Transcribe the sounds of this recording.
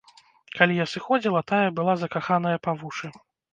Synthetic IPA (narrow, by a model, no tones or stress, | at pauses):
kalʲijasɨxɔd͡zʲilˠɐt̪ajɐbɨlˠazɐkaxanɐjɐpavuʂɨ